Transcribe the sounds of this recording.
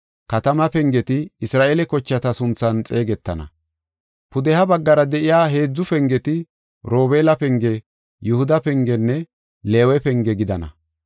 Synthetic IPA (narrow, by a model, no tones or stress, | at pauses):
kɐt̪ɐmɐpɛŋɡɛt̪ɪːsɾaːʔelɛkɔt͡ʃːɐt̪ɐsʊnt͡sːɐnt͡sʼe̞ːɡɛt̪ːɐnɐ̰ | pʊd̪ɛhɐbɐɡːɐɾɐd̪ɛʔɪjaːɦe̞ːd͡zːʊfɛŋɡɛt̪ɪ | ɾo̞ːbeːlɐpɛŋɡɛ | jʊhʊd̪ɐpɛŋɡɛnːɛ | le̞ːwɛpɛŋɡɛɡɪd̪ɐnɐ̰